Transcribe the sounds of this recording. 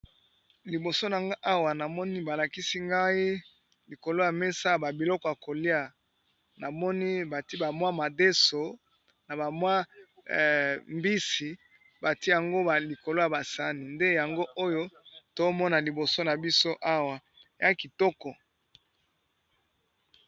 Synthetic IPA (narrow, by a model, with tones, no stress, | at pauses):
li˨bo˨so˦na˨ŋɡa˦ʔa˦wa˨na˨mɔ˦ni˦ba˨la˨ki˦si˦ŋɡa˦i˦ | li˨ko˨lo˦ja˨me˦sa˦˨ba˨bi˨lɔ˦kɔ˨ja˨ko˨li˦a˨ | na˨mɔ˦ni˦ba˨ti˦ba˨mwa˦ma˨de˦so˨ | na˨ba˨mwa˦˨ | mbi˦si˨ | ba˨ti˦ja˨ŋɡo˦ba˨li˨ko˨lo˦ja˨ba˨sa˦ni˨nde˦ja˨ŋɡo˦ʔo˦jo˦to˦mɔ˦na˨li˨bo˨so˦na˨bi˦so˦ʔa˦wa˨ | ja˦ki˨tɔ˦kɔ˨